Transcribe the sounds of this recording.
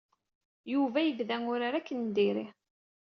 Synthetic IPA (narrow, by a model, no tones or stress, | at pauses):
juvæjəvðæŋʊɾaɾækːənd̪iɾi